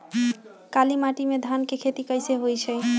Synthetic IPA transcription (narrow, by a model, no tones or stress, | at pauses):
kalimaʈimed̪ʱankekʰet̪ikəjseɦojt͡ʃʰəj